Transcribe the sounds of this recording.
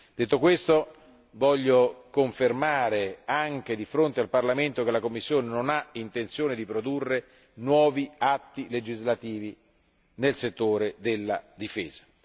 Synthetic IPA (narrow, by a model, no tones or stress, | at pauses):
d̪et̪ːokwest̪o | vɔʎːokoɱfermaːɾeaŋk̟ed̪ifɾont̪ealparlament̪ok̟elakomːisːjoːnenonaint̪ent̪sjoːned̪ipɾod̪urːe | nwɔːviat̪ːiled͡ʒizlat̪iːvi | nelset̪ːoːɾed̪elːad̪ifeːza